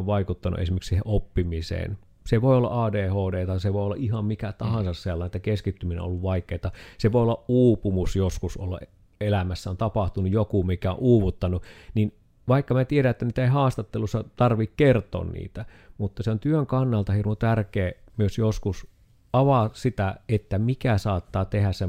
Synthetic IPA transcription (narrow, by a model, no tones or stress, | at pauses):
ʋʋɑikut̪ːɑnṵḛsimeksiːhḛʔopːimisḛːn | seʋoˑiolːɑ̰ʔɑːdeːhoːdeːt̪ɑseʋoˑiolːɑʔʔihɑmmikæt̪ɑhɑnsɑsselːɑˑnet̪ːækeskit̪ːyminḛn̰õ̰olːuʋʋɑikˑeːt̪ɑseʋoˑiolːɑʔʔuːpumusjoskusʔo̰lːɑ̰ʔ | elæmæsːæont̪ɑpɑht̪unujokumikːæo̰ʔuːʋut̪ːɑnunin | ʋɑˑikːɑmæt̪ieɾæet̪ːæniːt̪æeihɑːst̪ɑt̪ːelusːɑt̪ɑrʋikkert̪ˑo̰ːnnḭːt̪æ | mut̪ːɑseont̪yøŋkɑnːɑlt̪ɑhirmot̪ærkeːmyøsjoskus | ɑʋɑsit̪æet̪ːæmikæsɑːt̪ːɑːt̪ehæsse